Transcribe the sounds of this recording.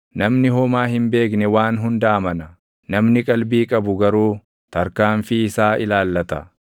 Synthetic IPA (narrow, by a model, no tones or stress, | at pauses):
nɐmnɪɦɔmaːhɪmbe̞ːknɛwaːnɦʊnd̪aːmɐnɐ | nɐmnɪkʼɐlbiːkʼɐbʊɡɐɾuː | t̪ɐɾkaːɱfɪːsaːʔɪlaːlːɐt̪ɐ